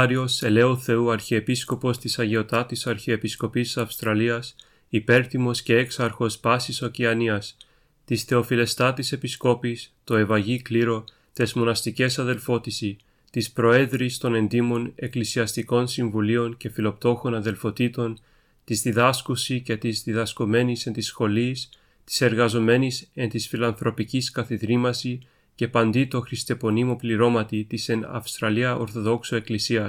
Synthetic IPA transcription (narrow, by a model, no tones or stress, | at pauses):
ɾio̞se̞le̞oθe̞uɐɾçiepisko̞po̞st̪isɐʝeo̞t̪ɐt̪isɐɾçie̞pisko̞pisɐfst̪ɾɐliɐs | ipe̞ɾθimo̞sce̞eksɐɾxo̞spɐsiso̞ciɐniɐs | t̪isθe̞o̞file̞st̪ɐt̪ise̞pisko̞pist̪o̞e̞vɐʝikliɾo̞ | t̪e̞zmo̞nɐst̪ice̞sɐðe̞lfo̞t̪isi | t̪ispɾo̞e̞ðɾist̪o̞ne̞nd̪imo̞ne̞klisiɐst̪iko̞nsiɱvulio̞nce̞filo̞pt̪o̞xo̞nɐðe̞lfo̞t̪it̪o̞n | t̪izðiðɐskusice̞t̪izðiðɐsko̞me̞nise̞nt̪isxo̞lis | t̪i̥se̞ɾɣɐzo̞me̞nise̞nt̪isfilɐnθɾʔo̞piciskɐθiðɾimɐsi | ce̞pɐnd̪it̪o̞xɾist̪e̞po̞nimo̞pliɾo̞mɐt̪it̪isenɐ̰fst̪ɾɐliɐʔo̞ɾθo̞ðo̞ksoe̞klisiɐs